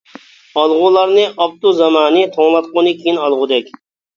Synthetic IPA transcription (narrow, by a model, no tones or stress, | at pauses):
ɑlˠʁʊlˠɑɾnɨʔɑp̚t̪uzɑmɑːnɪt̪ʰoŋlˠɑt̪̚qonɨkʲʰiinɑlˠʁʊd̪ɛkʲ